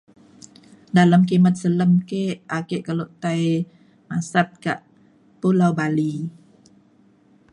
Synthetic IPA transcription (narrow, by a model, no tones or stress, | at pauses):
daləmk̬imət̪̚sələmkeʔʔakeʔkəloʔt̪aj | masat̪̚kaʔ | pulawbali